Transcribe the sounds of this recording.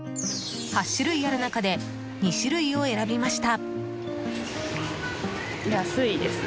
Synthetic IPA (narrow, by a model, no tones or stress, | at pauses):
haɕːɨɾɯ̟ijaɾɯ̟nakad̪e̞ | ɲ̟iɕiɾɯ̟io̞e̞ɾabʲimaɕi̥t̪a | jasɨid̪esɨ̥